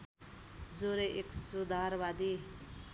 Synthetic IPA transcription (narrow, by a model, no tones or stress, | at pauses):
d͡zoɾeʔeksud̪ʱaɾbad̪i